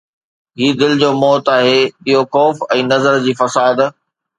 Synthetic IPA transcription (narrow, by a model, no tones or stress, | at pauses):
ɦiːd̪ɪld͡ʑoːmɔːt̪aːɦeːɓɪɦoxɔːfɛ̃ːnɐzəɾd͡ʑiːfɐsaːd̪